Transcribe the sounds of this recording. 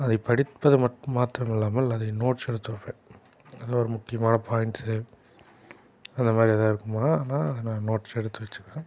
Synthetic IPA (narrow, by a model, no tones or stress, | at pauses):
ɐðɐpɐɽɪt̪pːɐðɯmɐʈːmaːt̪ɪɾɐmɪlːaːmɐɪlːɐðɐnoːʈsɛɽɯt̪ːɯʋɐpẽː | ɐðɐoːɾɐmʊkːɪjɐmaːnɐpʰaːjɪɳʈs | ɐnd̪ɐmaːd̪ɾiɛðaːɪɾɯkːɯmaːnaːɐðɐnãːnoːʈsɛɽɯt̪ːɯʋɐt͡ʃːɯ̥kːẽː